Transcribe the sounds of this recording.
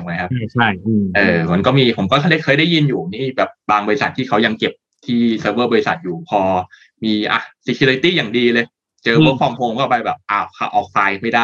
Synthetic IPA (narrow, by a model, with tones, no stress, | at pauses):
a˧ŋma˨˦˥jkʰa˦˥p̚t͡ɕʰa˥˩jʔɤː˧˩mo˨˦nkɔː˥˩miː˧pʰo˩˦mkɔː˥˩˧da˥˩jkʰɤː˧jdaː˥˩ji˧njuː˨˩˨niː˥˩bɛː˨˩p̚baː˧ŋbɔː˧ɾi˧sa˨˩t̪ʰːiː˥˩kʰa˦˥wja˧ŋke˨˩p̚ | t̪ʰiː˥˩səː˧bɤː˥˩bɔː˧i˧sa˨˩t̪̚juː˨˩pʰɔː˧ | miː˧ʔa̰˨˩si˧kʰi˧li˧t̪iː˥˩jaː˨˩ŋdiː˧lɤː˧j | t͡ɕɤː˧bə˦˥kfʰɔː˧mpʰoː˧˩ŋkɔː˥˩pa˧jbɛː˨˩p̚ʔaː˨˩wkʰa̰˧˩ʔɔː˧˩k̚faː˧jma˥˩jdaː˥˩j